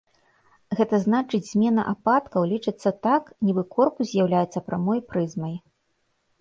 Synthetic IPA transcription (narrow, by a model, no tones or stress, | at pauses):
ɣɛt̪ɐznat͡ʂɨd͡zʲz̥ʲmʲɛnɐ̰ʔapat̪kɐwlʲit͡ʂɨt̪sːɐt̪aknʲibɨkɔrkuzʲjawlʲajɛt̪sːɐpɾamɔjpɾɨzmɐj